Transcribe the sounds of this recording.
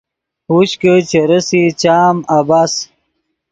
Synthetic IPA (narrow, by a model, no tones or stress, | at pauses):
huɕkət͡ɕeɾəsit͡ɕaːmabaːs